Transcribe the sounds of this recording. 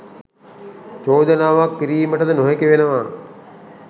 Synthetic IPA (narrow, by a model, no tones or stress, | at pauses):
t͡ʃoːd̪ənaːʋakːiɾiːməʈəd̪ənoɦekeʋenəʋa